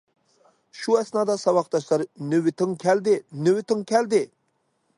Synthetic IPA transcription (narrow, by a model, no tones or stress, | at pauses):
ʃuɛsnɑːd̪ɑsɑwɑq̚d̪ɑʃlˠɑɾnywɪt̪ʰɪŋkʲʰæld̪ɪnywɪt̪ʰɪŋkʲʰæld̪ɪ